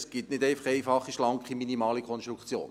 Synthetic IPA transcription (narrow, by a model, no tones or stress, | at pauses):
sɡ̥itnɪdɛɪfɑ̥χɛɪfɑχːiʃlɑŋkχiminimɑːlikʰɔnstɾukt͡sjo̰ːn